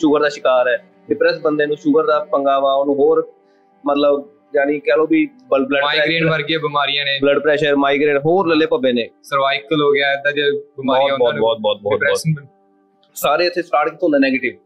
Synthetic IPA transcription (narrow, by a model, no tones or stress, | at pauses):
ʃʊɡəɾd̪aːʃɪkaːɾɛː | ɖɪpɾɛːsbənd̪eːnũːʃʊɡəɾd̪aːpəŋɡaːʋaːʊnũːɦoːɾ | mət̪ləb | d͡ʒaːñiːkɛːlõːbiː | bəbləɖmaːɛːɡɾeːʈʋəɾɡɛːbɪmaːɾɪjãːneːbləɖpɾɛːʃəɾmaːiɡɾeːʈɦoːɾləleːpəbeːnẽːsəɾʋaːɪk̚k̪əlɦoːɡɪaːɪd̪ad͡ʒeːbɪbaːɔiːt̪ːbɔːtbɔːt̪̚bɔːt̪̚bɔːɪt̪pɾɛɔːʃən | saːɾeːət̪ʰːeːsʈaːɾʈkiːt̪ːõnd̪eːnɛːɡeːʈɪʋ